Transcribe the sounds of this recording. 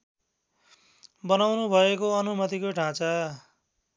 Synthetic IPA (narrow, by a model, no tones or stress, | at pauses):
bʌnawnubʱʌekoʌnumʌt̪ikoʈʰãt͡sʌ